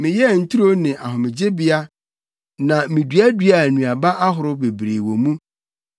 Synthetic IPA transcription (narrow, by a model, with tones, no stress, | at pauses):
mɪ̃˨jɛ˦˨n̩˦tʰu˦ɾo˦nɪ̃˨ʔa˨ɦʊ̃˨mɪ̃˨d͡ʑɪ˦bɪ˦a˦ | nã˨mɪ̃˨dɥæ˦dɥa˨nũ˨a˨ba˦ʔa˦ɦʊ˨ɾʊ˦be˨bɾe˨wo˨mũ˦